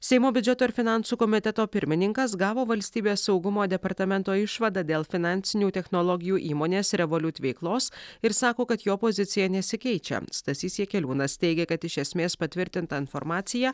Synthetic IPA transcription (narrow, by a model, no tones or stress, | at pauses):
sʲɛɪmoːbʲʊd͡ʒʲɛt̪oːɪɾfʲɪnɑˑnsuːkɔmʲɪt̪ʲɛt̪oːpʲɪɾʲmʲɪnʲɪŋkɐsɡɑːʋoːʋɐlʲsʲt̪ʲiːbʲeːsːɒʊɡʊmoːd̪ʲɛpɐɾt̪ɐmʲɛnt̪oːɪʃʋɐd̪ɑd̪ʲeːlˠfʲɪnɑnʲsʲɪnʲuːt̪ʲɛxnɔlˠɔɡʲɪjuːʔiːmoːnʲeːsɾʲɛʋolʲʊt̪ʲʋʲɛɪklˠoːsɪɾsɑːkoːkɐt̪joːpozʲɪt̪sʲɪjɛnʲɛsʲɪkʲɛɪt͡ʃʲɛ̰st̪ɐsʲiːsʲiɛkʲɛlʲuːnɐst̪ʲɛɪɡʲɛkɐt̪ɪʃʲɛsʲmʲeːspɐt̪ʲʋʲɪɾʲt̪ʲɪnt̪ɐɪnfɔɾmɑːt̪sʲɪjæ